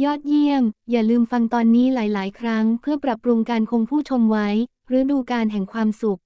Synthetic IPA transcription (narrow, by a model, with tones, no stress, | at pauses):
jɔː˥˩t̪̚ji˥˩əŋjaː˨˩lɯː˧mfa˧ŋt̪ɔː˧nːiː˦˥laː˩˦jlaː˩˦jkʰɾa˦˥ŋpʰɯ˥˩ɐpɾa˨˩pɾu˧ŋkaː˧nkʰo˧ŋpʰuː˥˩t͡ɕʰo˧mwa˦˥j | ɾɯː˦˥duː˧kaː˧nɦɛ˨˩ŋkʰwaː˧msu˨˩k̚